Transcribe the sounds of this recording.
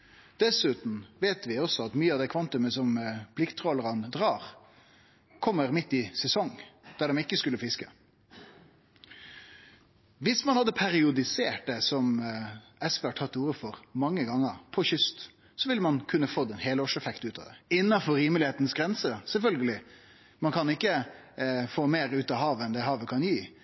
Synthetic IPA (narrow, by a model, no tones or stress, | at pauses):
d̪̥ɛsʉːt̪n̩ʋeːt̪ʋɪɔsɔɑt̪myːəɑd̪ɛkʰʋɑnt̪ʉməsɔmpʰlɪkt̪ʰːʁɔləɾənd̪ʁɑːʁ | kʰɔmːəɾmɪt̪ːɪsɛsɔŋd̪̥æɖɛmɪkːəskʉlːəfɪskə | ʋɪsmɑnhɑd̪ːəpʰæɾɪʊd̪ɪseːʈ̚d̪ɛsɔm | ɛsʋɛɑʈʰɑt̪ːuːɾəfɔʁmɑŋːəɡɑŋːəʁpʰɔçʏst̪ | sɔʋɪlːəmɑnkʰʉnːəfot̪ːɛnheːloʂɛfɛkt̪ʉːt̪ɑ̰d̪ɛɪnːɑfɔɾiːməlɪheːt̪nsɡɾɛnsəsɛlfœlɡəlɪ | mɑnkʰɑnɪkːə | foːmeːɾʉːt̪ɑɦɑːʋɛnd̪ɛɦɑːʋəkʰɑnjiː